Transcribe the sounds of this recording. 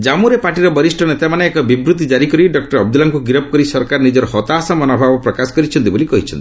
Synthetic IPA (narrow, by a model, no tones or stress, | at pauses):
d͡ʒamuɾepaʈiɾɔbɔɾisʈʰɔnet̪emaneːkɔbibɾut̪id͡ʒaɾikɔɾiɖɔk̚ʈɔɾɔb̚d̪ulaŋkuɡɾɔpɔkɔɾisɔɾkaɾnid͡ʒɔɾɔhɔt̪aːsamɔnɔbʱabɔpɾɔkasɔ̥kɔɾit͡ʃʰɔnt̪ibolikɔɦit͡ʃʰɔnt̪i